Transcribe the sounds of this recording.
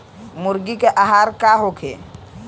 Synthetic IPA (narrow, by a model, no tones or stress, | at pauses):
muɾɡikeʔaɦaɾkaɦokʰḛ